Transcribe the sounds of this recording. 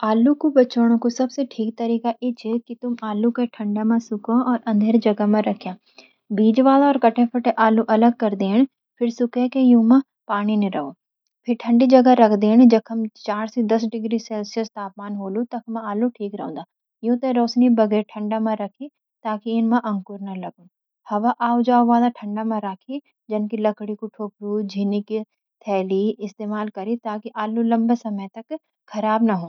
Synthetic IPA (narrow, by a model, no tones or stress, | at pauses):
aːluːkubət͡ʃoːɽ̃õkusɐbseʈʰiːk̚t̪əɾiːkaːʔeːt͡ʃeːkɪt̪ʊmaːlukeʈʰəɳɖaːmãːsʊkõʔɔːɾʔɐ̃nd̪ʱeːɾd͡ʒɐɡaːmãːɾəkʰjãː | biːd͡ʒʋaːlaɔːɾkəʈʰẽːpʰəʈeʔaːluːʔɐləɡ̚kɐɾd̪eːɦəɳ | pʰɪɾsʊkeːkejũːmãː | paːɽ̃iːneɾəɦoː | pʰɪɾʈʰə̃ɳɖiːd͡ʒəɡaɾəkʰd̪eːɦəñd͡ʒɐkʰəmt͡ɕaːɾsid̪ɐsɖɪɡɾiseːlsijəst̪aːpmaːnɦoːlut̪ɐkʰmãaːluʈʰiːkɾɐɦũːnd̪a | ɪjũt̪ɐɾoːsnibɐɡɛːɾʈʰɐ̃ɳɖamãɾɐkʰi | t̪aːkiɪnmãʔɐ̃ŋkʊɾnɐlɐɡunɪ | hɐʋaʔaːud͡ʒaːʋãːd̪aʈʰɐ̃ɳɖamãɾaːkʰi | d͡ʒɐnkilɐkɽikuʈʰoːpɾud͡ʑʱiːnɪk | t̪ʰɛːliɪst̪eːmaːlkɐɾit̪aːkiʔaːlulɐ̃mbsɐmət̪ɐk | xʰɐɾaːbnɐɦũː